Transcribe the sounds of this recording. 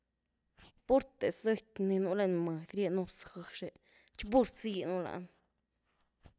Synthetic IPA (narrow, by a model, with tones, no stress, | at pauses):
pu˦ɾt̪e˨se˦˧t̪ʲni˧nu˧le˧nmə˨d̪ɾje˦˧nu˧sxə˧ʂe˧ | t͡ʃbu˦ɾt͡si˧˦˧nu˦la̰˧n